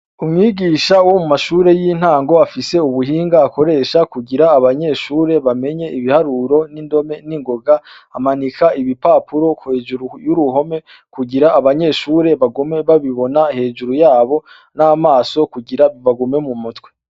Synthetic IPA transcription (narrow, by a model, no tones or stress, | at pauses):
umŋiːɡiːʃawo̞mumaʃuːɾe̞jin̥haːŋɡo̞afise̞uβuhiːŋɡaːko̞ɾe̞ːʃakuɡiɾaːβaɲe̞ːʃuːɾe̞βame̞ɲe̞iβihaɾuɾo̞nindo̞me̞niŋɡo̞ɡa | amanikʰaiβipapʰuɾo̞kuhe̞ːd͡ʒuɾujuɾuɦo̞me̞ | kuɡiɾaːβaɲe̞ːʃuːɾe̞βaɡome̞βaβiβo̞nahe̞ːd͡ʒuɾujaːβo̞ | namaːso̞kuɡiɾaiβaɡume̞mumutwe̥